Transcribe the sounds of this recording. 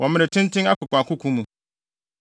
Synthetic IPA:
wʔɔ˨mɪ̃˨ɾɪ̃˨tʰɪ̃˦ntʰɪ̃˦ŋa˦kʰʊ˨kʷã˨kʊ˦kʰũ˦mũ˨

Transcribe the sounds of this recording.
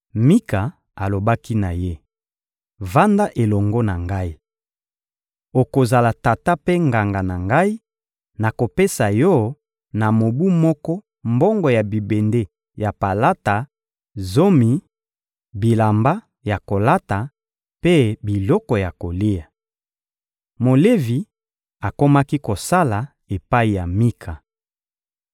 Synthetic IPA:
mi˦ka˨ | a˨lo˨ba˦ki˦na˨je˦ | va˦nda˦ʔe˨lɔ˨ŋɡɔ˦na˨ŋɡa˦i˦ | o˨ko˨za˨la˨ta˨ta˦pe˦ŋɡa˨ŋɡa˨na˨ŋɡa˦i˦ | na˨ko˨pe˦sa˨jɔ˦ | na˨mo˨bu˦mɔ˦kɔ˦ | mbɔ˦ŋɡɔ˨ja˨bi˨be˨nde˦ | ja˨pa˨la˦ta˨ | zo˦mi˨ | bi˨la˨mba˦ | ja˨ko˨la˦ta˨ | pe˦bi˨lɔ˦kɔ˨ja˨ko˨li˦a˨ | mo˨le˦vi˨ | a˨ko˦ma˦ki˦ko˨sa˦la˨ | e˨pa˦i˨ja˨mi˦kʰa˨

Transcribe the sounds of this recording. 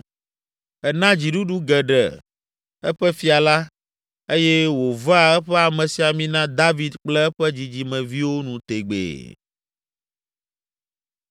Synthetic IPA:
ɛ˨nã˦d͡ʑi˨ɖu˦ɖu˦ɡɛ˨ɖɛ̰˨ | ɛ˦ɸɛ˦fi˦a˨la˦ | e˦jɛ˦wo˨va˨ɛ˦ɸɛ˦a˨mɛ̃˨si˨a˨mĩ˦nã˦d̪a˦vi˨d̪k͡plɛ˦ɛ˦ɸɛ˦d͡ʑi˨d͡ʑi˨mɛ̃˨vi˦wo˦nũ˨t̪e˨ɡ͡bḛ˨

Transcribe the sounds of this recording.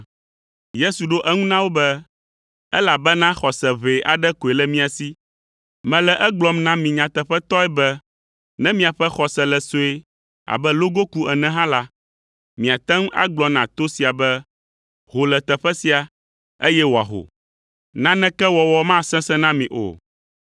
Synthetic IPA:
je˦su˨ɖo˦ʔɛ˦ŋũ˦nã˦wo˦bɛ˦ | ɛ˦la˨bɛ˦nã˦xɔ˨sɛ˨βe˨ʔa˨ɖɛ˦ko˨e˨lɛ˦mĩ˦a˨si˦ | mɛ̃˨lɛ˨ʔɛ˦ɡ͡blɔ˦mnã˦mĩ˨ɲã˨t̪ɛ˨ɸɛ˦t̪ɔ˦ɛ˦bɛ˦ | nɛ̃˦mĩ˨a˨ɸɛ˦xɔ˨sɛ˨lɛ˨so˦e˦ | a̰˨bɛ˦lo˦ɡo˦ku˦ɛ˨nɛ̃˦ɦã˦la˦ | mĩ˨a˨t̪ɛ˦ŋũ˦ʔa̰˦ɡ͡blɔ˨nã˨t̪o˦si˨a˨bɛ˦ | ɦo˨lɛ˨t̪ɛ˨ɸɛ˦si˨a˨ | e˦jɛ˦wo˨a̰˨ɦo̰˨ | nã˦nɛ̃˦kɛ˦wɔ˨wɔ˨mã˦sɛ̃˦sɛ̃˦nã˦mĩ˨ʔo̰˨

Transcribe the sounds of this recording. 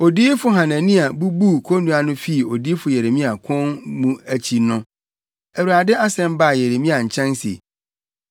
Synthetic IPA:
o˨diː˦fʊ˦ɦã˨nã˨nĩ˦a˨bu˦bu˦kʰo˦nũ˨a˨nʊ̃˦fi˦˨o˨diː˦fʊ˨jɛ˨ɾe˨mĩ˦a˨kʰɔ̃˦nmũ˦æ˦t͡ɕʰi˨nʊ̃˦ | æ˨wu˨ɾa˨dɪ˦a˦sɛ̃˦m˦ba˦˨je˨ɾe˨mĩ˦a˨ɲ̩˨t͡ɕʰɛ̃˦nsḭ˨

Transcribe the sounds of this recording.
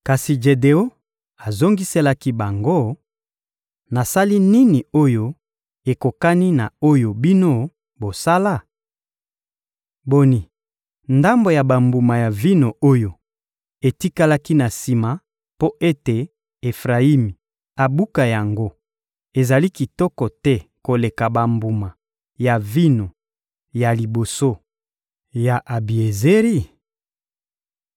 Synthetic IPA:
ka˨si˨d͡ʒe˨de˨o˦ | a˨zo˦ŋɡi˦se˦la˦ki˦ba˨ŋɡo˦˨ | na˨sa˦li˦ni˦ni˨o˦jo˦ | e˨ko˨ka˦ni˦na˨o˦jo˨bi˦no˦ | bo˨sa˦la˦˨ | bo˨ni˨ | nda˦mbo˨ja˨ba˨mbu˨ma˨ja˨vi˦no˨o˦jo˨ | e˨ti˦ka˦la˦ki˦na˨si˨ma˨ | po˦ʔe˦te˨ | e˨fʁa˨i˦mi˨ | a˨bu˦ka˨ja˨ŋɡo˦ | e˨za˨li˦ki˨tɔ˦kɔ˨tɛ˦ko˨le˨ka˨ba˨mbu˨ma˨ | ja˨vi˦no˨ | ja˨li˨bo˨so˦ | ja˨ʔa˨bi˨e˨ze˦ʁi˦

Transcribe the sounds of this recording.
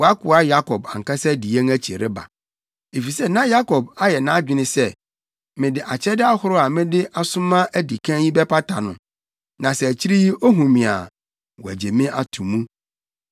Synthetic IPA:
ɔ˨a˦kʰʊ˨a˦ja˦kʰɔ˨ba̰˨ŋ̩˨ka˦sɛ˦di˨e˦ŋæ˦t͡ɕʰi˨e˨ɾɪ˦ba̰˨ | e˨fi˨sɛ˦nã˦ja˦kɔ˨b̚a˦jɛ˨nã˦d͡ʑᶣɪ˨nɪ̃˦sɛ˦ | mɪ̃˨dɪ˨ʔa˨t͡ɕʰɛ˦dɪ˦a˦hʊ˦ɾʊ˦a˨mɪ̃˦dɪ˦ʔa˦sʊ̃˦mã˦ʔæ˦di˨kʰã˦ji˦bɛ˦pʰa˦tʰa˨nʊ̰̃˨ | nã˨sɛ˨æ˨t͡ɕʰi˦ɾi˦ji˦o˦ɦũ˨mĩ˨a̰˨ | wɔ˨æ˨d͡ʑe˨mĩ˦ʔa˨tʰũ˨mũ˦

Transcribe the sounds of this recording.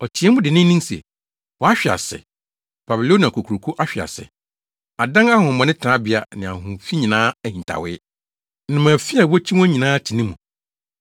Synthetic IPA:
ɔ˨t͡ɕʰi˨ɛ˦mʊ̃˦dɪ˨nɪ̃˦nĩ˦sɛ̰˨ | wɔ˨˦a˦ɕᶣɪ˨a̰˨sɛ̰˨ | pʰa˨bi˨lo˦nĩ˨ã˨kʰo˨kʰɾo˨kʰu˦ʔa˦ɕᶣɪ˨a̰˨sɛ̰˨ | a˨dã˦na˦hʊ̃˨mɔ̃˨nɪ̃˦tʰnã˦bɪ˨a˨nɪ̃˨a̰˨hʊ̃˨fi˦ɲĩ˨nãː˦æ˦hĩ˨n˨tʰa̰˨wɪ̰˦ | nɪ̃˨mãː˨fi˦a˨wɔ˦t͡ɕʰi˦w̃ɲĩ˨nãː˦t͡ɕʰi˨nɪ̃˦mũ˨

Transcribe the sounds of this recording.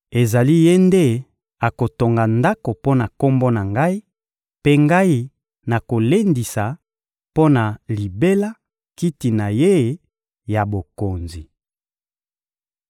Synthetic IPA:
e˨za˨li˦je˦nde˦ | a˨ko˨to˨ŋɡa˨nda˦ko˨po˦na˨ko˦mbo˦na˨ŋɡa˦i˦ | pe˦ŋɡa˦i˦ | na˨ko˨le˦ndi˨sa˨ | po˦na˨li˨be˦la˦ | ki˦ti˨na˨je˦ | ja˨bo˨ko˨nzi˨

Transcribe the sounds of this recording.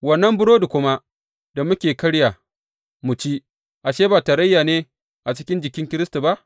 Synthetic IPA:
wɐ˦nːɐ˦mbʊ˦ɽoː˦du˨kʷʊ˦ma˦ | da˨mʊ˦kʲeː˨kɐ˦ɽja˨ | mʊ˨t͡ʃi˦ | ʔa˨ʃeː˦baː˨ta˨ɾɐ˦jːaː˨neː˦ | ʔa˨t͡ʃɪ˦kʲɪ˦nd͡ʒɪ˨kʲɪ˦ŋkʲɪ˦ɾɪ˦sta˨ba˦ʔ

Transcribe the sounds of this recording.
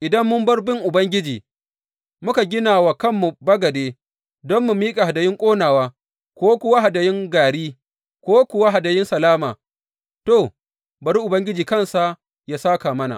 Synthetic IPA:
ʔɪ˨dɐ˦mːʊ˦mbɐ˦rbɪ˦ŋʔʊ˨bɐ˦ŋɡʲɪ˦d͡ʒiː˨ | mʊ˦ka˨ɡʲɪ˦naː˨wa˨kɐ˦˨mːu˨bɐ˦ɡɐ˨deː˦ | dɔ˦mːu˨miː˦kʼa˨ɦa˨dɐ˨jɪ˦ŋkʷʼoː˦naː˨waː˦ | kʷoː˦kʷʊ˨wa˦ɦa˨dɐ˨jɪ˦ŋɡaː˨ɽiː˦ | kʷoː˦kʷʊ˨wa˦ɦa˨dɐ˨jɪ˦nsɐ˨laː˦maː˨ | to˦˨ | bɐ˨ɾi˦ʔʊ˨bɐ˦ŋɡʲɪ˦d͡ʒiː˨kɐ˦nsa˦ | jaː˦saː˦ka˨mɐ˦na̰˨

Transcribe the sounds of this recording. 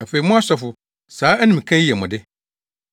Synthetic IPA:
a˨fe˨i˨mʊ̃˦a˦ɕɔ˨fʊ˨ | saː˨˦æ˦nĩ˨m˨kʰã˦ɛ˨mʊ̃˨dɪ˦

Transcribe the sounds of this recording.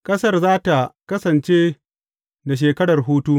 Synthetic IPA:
kʼɐ˦sɐ˦rzaː˦ta˨kɐ˦sɐ˨nt͡ʃeː˦ | da˨ʃ̬eː˨kɐ˦ɽɐ˨rɦuː˦tu˦

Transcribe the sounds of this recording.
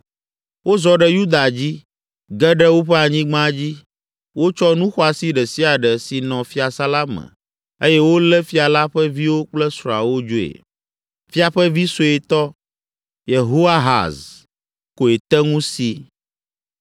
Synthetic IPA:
wo˦zɔ˨ɖɛ˨ju˦d̪a˨d͡ʑi˦ | ɡɛ˦ɖɛ˦wo˦ɸɛ˦a˨ɲĩ˦ɡ͡bã˦d͡ʑi˦ | wo˦t͡ʃɔ˦nũ˦xɔ˦a˨si˦ɖɛ˨si˦a˨ɖɛ˨si˨nɔ̃˨fi˦a˨sa˦la˦mɛ̰˨ | e˦jɛ˦wo˦lɛ˦fi˦a˨la˦ɸɛ˦vi˦wo˦k͡plɛ˦sɾɔ˨a̰˨wo˦d͡ʒo˦ḛ˨ | fi˦a˨ɸɛ˦vi˦so˨e˨t̪ɔ˦ | je˨ɦo˦a˦ɦa̰˨z | ko˨e˨t̪ɛ˦ŋũ˦si˦

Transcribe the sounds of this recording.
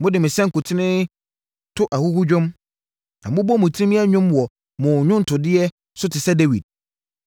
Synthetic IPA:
mʊ̃˦dɪ˨mɪ̃˨sɛ̃˦ŋ˨kʊ˨tʰɪ˦nɪ̃˦ | tʰʊ˦ʔa˨hʊ˦ɡʊ˦d͡ʑᶣʊ̃˦m | nã̰˨mʊ̃˦bɔ˦˨mʊ̃˨tʰĩ˦m˦ɛ˦ɲᶣʊ̃˦mwɔ˨ | mʊ̃˨ɲᶣʊ̃˦n˦tʰʊ˨dɪ˦ɛ˦ | sʊ˦tʰɪ˨sɛ˦de˦wḭ˨d̚

